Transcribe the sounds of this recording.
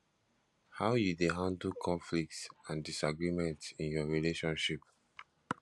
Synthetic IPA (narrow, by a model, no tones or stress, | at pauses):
haʊjudeɦãndlkʰɔ̃ɱflik̚tsãndisaɡɹimɛ̃ntsĩnjɔɹileʃɔ̃nʃip̚